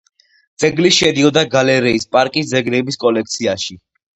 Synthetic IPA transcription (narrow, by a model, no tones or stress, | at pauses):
d̪z̥ɛɡliʃɛd̪iɔd̪aɡalɛɾɛispʼaɾkʼisd̪zɛɡlɛbiskʼɔlɛk̚t̪sʰiaʃi